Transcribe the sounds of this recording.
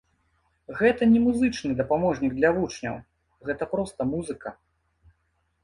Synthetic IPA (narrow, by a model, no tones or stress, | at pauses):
ɣɛt̪ɐnʲɛmuzɨt͡ʂnɨd̪ɐpamɔʐnʲiɡ̚d̪lʲɐvut͡ʂnʲɐ̰w | ɣɛt̪ɐpɾɔst̪ɐmuzɨkɐ